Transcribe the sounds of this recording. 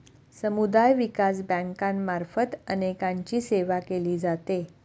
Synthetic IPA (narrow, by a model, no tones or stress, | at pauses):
səmud̪ajʋikas̬bə̃ŋkãnmaɾfət̪ənekãɲt͡ɕiːseʋakeliːd͡zat̪e